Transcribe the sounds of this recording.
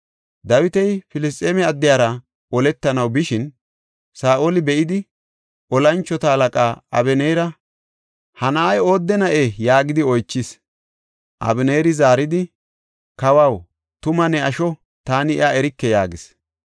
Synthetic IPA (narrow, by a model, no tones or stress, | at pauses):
d̪ɐwɪt̪ɛjfɪlɪs̬t̪ʼeːmɛɐd̪ːɪjaːɾɐ | ɔlɛt̪ːɐnɐwbɪʃɪn | saːʔolɪbɛʔɪd̪ɪ | ʔɔlɐnt͡ʃːɔt̪ɐhɐlɐkʼaːɐ̰bɛnɛjɾɐ | hɐnɐɐjo̞ːd̪ːɛnɐʔejaːɡɪd̪ɪɔjt͡ʃːɪs | ʔɐ̰bɪneːɾɪzaːɾɪd̪ɪ | kɐwɐw | t̪ʊmɐnɛɐʃɔ | t̪aːnɪɪɐɛɾɪkːɛjaːɡɪs